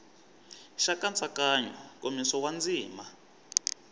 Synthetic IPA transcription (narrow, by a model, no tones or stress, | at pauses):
ʃakant͡sʼakaɲɔkomisɔwand͡ziːma